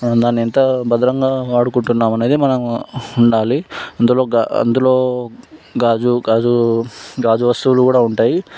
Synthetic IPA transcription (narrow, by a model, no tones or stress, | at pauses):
d̪aːnːiɛnt̪ɐbɐd̪ɐɾɐŋɡaːʋaːɽukuɳʈunːaːmɐne̞ːd̪imɐnɐmuɳɖaːliɐnd̪uloːɡaɐ̰nd̪ulo̞ː | ɡaːd͡ʒuɡaːd͡ʒuɡaːd͡ʒuʋɐst̪ulukuːɽaːuɳʈaːji